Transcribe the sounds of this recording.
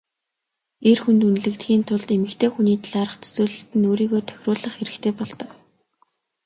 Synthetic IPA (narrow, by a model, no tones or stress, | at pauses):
erxunt̪unɮɘ̆kt̪xiːnt̪ʰʊɮt̪emɘ̆kt̪ʰeːxuniːt̪ʰaɮaɾə̆χt̪ʰɵ̥sɵːɮɵ̆ɬt̪ɘ̆noːɾiːɣoːt̪ʰœ̥xʲrʊːɮə̆χxeɾɘ̆xt̪ʰeːpɔɮt̪ɞ̆k